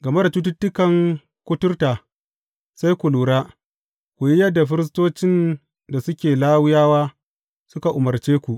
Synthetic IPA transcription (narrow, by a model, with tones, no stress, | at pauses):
ɡɐ˨me˦da˨tu˦t̬ʊ˦tːʊ˦kɐ˨ŋ | kʷʊ˦tʊ˦rta˨ | sa˦jkʷu˨luː˨ɽaː˦ | kʷu˨ji˦jɐ˦dːa˨ɸ̬ɪ˦ɾɪ˦s̬toː˦t͡ʃɪ˦n | da˨sʊ˦kʲeː˨laː˦wʊ˦jaː˦waː˦ | sʊ˦ka˨ʔʊ˨mɐ˨rt͡ʃeː˦kʷu˨ʔ